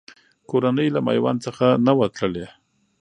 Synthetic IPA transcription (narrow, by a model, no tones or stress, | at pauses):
koɾanəjlama̰jwa̰nt͡səxanawat̪ləle